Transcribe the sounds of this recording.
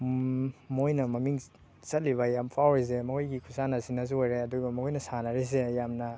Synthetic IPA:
mojnɐmɐmiŋ | sɐtliβɐjampʰawɾiz̬emɐkʰojɡikʰusanɐzinɐzuojɾeɐduɡɐmɐkʰojnɐsanɐɾizejamnɐ

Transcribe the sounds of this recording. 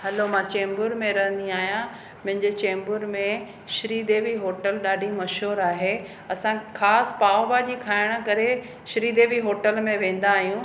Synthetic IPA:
ɦɐlomãːt͡ɕẽːmbʊɾmẽɾɐɦə̃nd̪iaːɦijã | mɐ̃ɦɪ̃ɲd͡ʑet͡ɕeːmbʊɾmẽ | ʃɾiːd̪eːʋiɦoːʈəlɗaːɖʱimɐʃɦuːɾaːɦeː | ɐsãxaːspaːobaːʄiːkʰaːɪɽ̃̆kɐɾe | ʃɾiːd̪eːʋiɦoːʈəlmẽʋẽːn̆d̪aːɦijũː

